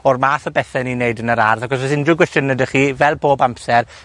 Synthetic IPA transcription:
ɔrmaːθɔbɛθɛnineɨdənəɾarðakɔsvɛsɪndruɡwɛstjənɛdəχiːvɛlˠboːbampsɛr

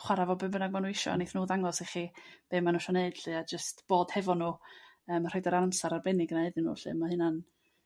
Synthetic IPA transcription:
χwaɾavɔbɨbənaɡ̚manuːɪʃɔ̰neθnuːðaŋɔsiχib̥eːmanuʃɔneɨd̥ɬɨad͡ʒəstb̥oːd̥hɛvɔnuː | əːmrɔjdaɾansaɾarbɛnɪɡnaɨðɪnṵːɬɨ̰mahɨnan

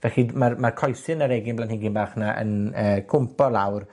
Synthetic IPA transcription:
vɛɬimarmarkʰɔjθɨnaɾɛɡɪnblaːnhɪnɡinbaːχnaʔə̰nəːkʰʊmpɔlˠawr

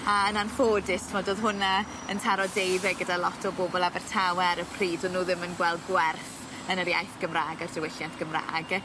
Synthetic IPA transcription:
aənanfoːdɪstʰəmɔdoːðɦʊna | əntʰaɾɔdejðɛɡədalˠɔtʰɔboːbɔlˠabɛrtʰawɛaɾəpʰriːdɔnuːðɪmənɡwɛlˠdɡwɛrθ | ənəɾiajfɡ̥əmraːɡardəwɪɬjantʰɡ̥əmra̰ːɡ

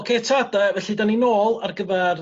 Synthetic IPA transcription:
kʰetʰadəvɛɬidaninoːlˠarɡəvɛr

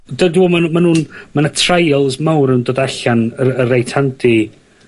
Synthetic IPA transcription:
dədɪbɔːmanmanuːnmanatʰrajɔlˠsmawɾnundoːdaɬanəərejtʰandi

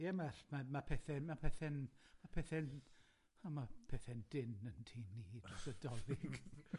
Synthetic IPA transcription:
jɛmaɬmamapʰɛθɛmapʰɛθɛnmapʰɛθɛn | amapʰɛθɛnd̥ɪnəntʰiːmnid̥rɔsɛdɔlˠɪɡ̥

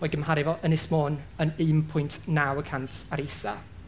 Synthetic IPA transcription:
ɔːɡəmhaɾɪvɔʔənɪsmoːnənɨːmpʰʊjntʰnawəkʰantʰaɾejsa

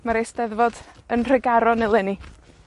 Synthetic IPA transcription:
maɾejsdɛðvɔdənr̥ɛɡaɾɔnɪlˠɪni

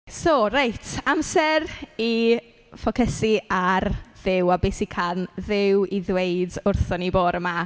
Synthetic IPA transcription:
sorajtʰamsɛri | fɔkʰɛsiarðɪwabesikʰanðɪwiðwejdʊrθɔniboːɾəma

